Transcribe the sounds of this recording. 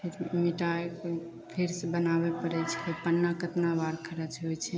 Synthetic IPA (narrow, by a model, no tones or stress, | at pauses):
pʰiɾmiʈaek | pʰiɾsebənaβepəɾɛjt͡ʃʰi̥kepənːakət̪nabaɾkʰəɾət͡ʃʰɦojt͡ʃʰɛ